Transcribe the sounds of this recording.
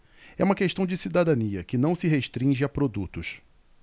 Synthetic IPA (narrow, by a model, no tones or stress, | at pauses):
ɛũmɐkeʃt̪ɐ̃w̃d͡ʒɪsid̪ad̪ɐ̃niɐkɪnɐ̃w̃sɪɦeʃt̪ɾĩʒɪapɾod̪ut̪ʊʃ